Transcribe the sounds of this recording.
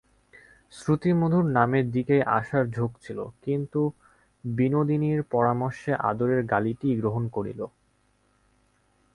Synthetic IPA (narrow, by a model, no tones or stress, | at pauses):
sɾut̪imod̪ʱuɾnameɾd̪ikejʔa̰ʃaɾd͡ʑʱokt͡ɕʰilo̰kint̪u | binod̪iniɾpɔɾamoɾʃeʔa̰d̪oɾeɾɡaliʈiɡɾoɦonkoɽḭlo